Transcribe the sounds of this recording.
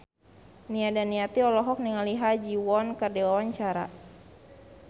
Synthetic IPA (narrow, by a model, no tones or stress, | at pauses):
niadanːiat̪iɔlɔɦɔk̚niŋaliɦad͡ʒiwɔnkərdewawaɲt͡ʃaɾa̰